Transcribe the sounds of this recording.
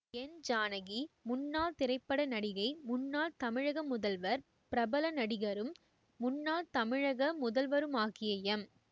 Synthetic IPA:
ɛnd͡ʒaːnɐɣimʊnːaːlt̪ɪɾɐɪpːɐɽɐnɐɽɪɣɐɪmʊnːaːlt̪ɐmɪɻɐɣɐmːʊðɐlʋɐɾ | pɪɾɐbɐlɐnɐɽɪɣɐɾɯmː | ʊnːaːlt̪ɐmɪɻɐɣɐmʊðɐlʋɐɾɯmaːɣɪjɐjɐm

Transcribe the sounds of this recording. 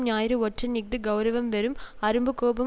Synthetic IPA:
mnaːjɾɯɔʈrɐnɪk̚d̪ɯɡɐʊɾɐʋɐmʋɐɾɯmɐɾɯmbɯkːoːbɐ

